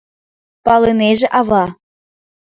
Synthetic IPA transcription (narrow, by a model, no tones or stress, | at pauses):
pɑlɤneʒĕʔɑβɑ